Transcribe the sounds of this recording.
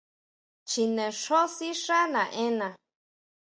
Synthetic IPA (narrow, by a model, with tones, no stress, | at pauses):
t͡ʃi˧nẽ˨ʂo˦si˦ʂa˦nã˨ʔẽ˦nã˨